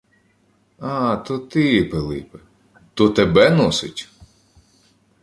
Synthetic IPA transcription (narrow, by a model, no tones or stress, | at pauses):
at̪ɔt̪ɪpelˠɪ̰pe | t̪ɔt̪ebɛnɔsɪtʲ